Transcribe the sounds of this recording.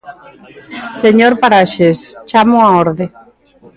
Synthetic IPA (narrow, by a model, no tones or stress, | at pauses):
seɲoɾpaɾaʃest͡ʃamʊaoɾðe